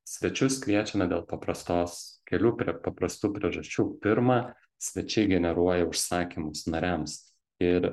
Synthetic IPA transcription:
sʲʋʲɛt͡ʃʲʊskʲlʲiɛt͡ʃʲɛnɐd̪ʲeːlˠpɐpɾɐst̪oːskʲɛlʲuːpʲpɐpɾɐst̪uːpʲɾʲiɛʒɐsʲt͡ʃʲuːpʲɪɾmɑː | sʲʋʲɛt͡ʃʲɛɪɡʲɛnʲɛɾuɔjɛʊʃsɑːkʲimʊsnɐɾʲæms | ɪɾ

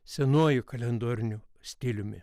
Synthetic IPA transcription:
sʲɛnuɔjʊkɐlʲɛnd̪oːɾʲɪnʲʊsʲt̪ʲɪlʲʊmʲɪ̰

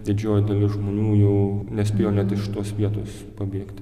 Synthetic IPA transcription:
d̪ʲɪd͡ʒʲoːjɪd̪ɐlʲɪsʒmoːnʲuːjɛʊnʲɛsʲpʲeːjoːnʲɛt̪ɪʃʲɪt̪oɔsʋʲiɛt̪oːs | pɐbʲiːkt̪ʲ

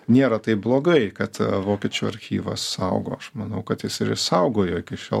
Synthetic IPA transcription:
nʲeːɾɐt̪ɐɪblˠoːɡɐɪkɐt̪ʋoːkʲɛt͡ʃʲuːɐ̰ɾʲxʲḭːʋɐ̰ssɐʊɡo̰ːɐʃmɐnɐʊkɐt̪jɪsɪɾɪsɐʊɡoːjoːɪkʲɪʃʲɛ̰

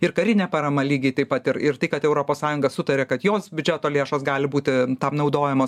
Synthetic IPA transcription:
ɪrkɐɾʲɪnʲɛpɐɾɐmɐlʲiːɡʲiɪt̪ɐɪpɐt̪ɪɾɪrt̪ɐɪkɐt̪ɛʊɾoːpoːsɑːjʊŋɡɐsʊt̪ɐɾʲeːkɐt̪joːsbʲʊd͡ʒʲɛt̪oːlʲeːʃoːsɡɑːlʲɪbuːt̪ʲɪt̪ɐmnɐʊd̪oːjɛmoːs

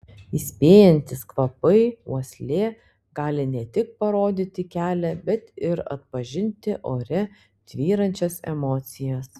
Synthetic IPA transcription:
isʲpʲeːjɛnʲt̪ʲɪskʋɐpɐɪuɔsʲlʲeː | ɡɑːlʲɪnʲɛt̪ʲɪk̚pɐɾoːd̪ʲit̪ʲɪkʲæːlʲɛbʲɛt̪ɪɾɐ̰t̪pɐʒʲɪnʲt̪ʲɪʔoːɾʲɛ | t̪ʲʋʲiːɾɐnʲt͡ʃʲɛsɛ̰mɔːt̪sʲɪjɛs

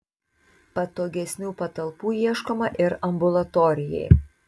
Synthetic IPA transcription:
pɐt̪oːɡʲɛsʲnʲuːpɐt̪ɐlˠˑpuːjiɛʃkoːmɐʔɪɾɐmbʊlˠɐt̪ɔɾʲɪjɛ̰ɪ

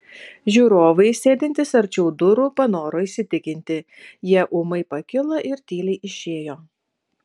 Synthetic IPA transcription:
ʒʲuːɾoːʋɐɪsʲeːd̪ʲɪnʲt̪ʲɪsɐɾʲt͡ʃʲɛʊd̪ʊɾuːpɐnoːɾoːiːsʲɪt̪ʲɪkʲɪnʲt̪ʲɪ | jiɛʔʊmɐɪpɐkʲɪlˠɐʔɪɾt̪ʲiːlʲɛɪʔɪʃʲeːjoː

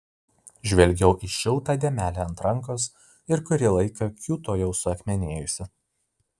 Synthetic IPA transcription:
ʒʲʋʲɛlʲɡʲɛʊʔiʃʲɪlˠt̪ɑːd̪ʲeːmʲæːlʲeɐnt̪ɾɐŋˑkos | ɪɾkʊɾʲɪlˠɐɪkɐkʲuːt̪oːjɛʊsʊɐkʲmʲɛnʲeːjʊsʲɪ

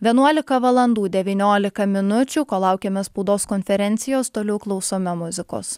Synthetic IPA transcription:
ʋʲiɛnuɔlʲɪkɐʋɐlˠɐnd̪uːd̪ʲɛʋʲiːnʲoːlʲɪkɐmʲɪnʊt͡ʃʲuːkoːlˠɑˑʊkʲeːmʲɛspɐʊd̪oːskɔnʲfʲɛɾʲɛnʲt̪sʲɪjoːst̪oːlʲɛʊklˠɒʊsoːmʲɛmʊzʲɪko̰ːs

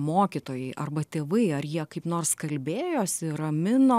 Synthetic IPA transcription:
moːkʲɪt̪oːjɛɪʔɐrbɐt̪ʲeːʋɐɪɐrjiɛkɐɪpnoːrskɐlʲbʲeːjoːsʲɪrɐmʲɪnoː

